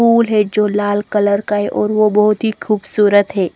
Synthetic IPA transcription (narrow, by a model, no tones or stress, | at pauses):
uːlɦɛd͡ʒoːlaːlkələɾkaɦɛʔɔːɾʋobɐɦʊt̪ɦixʰuːbsuːɾət̪ɦɛː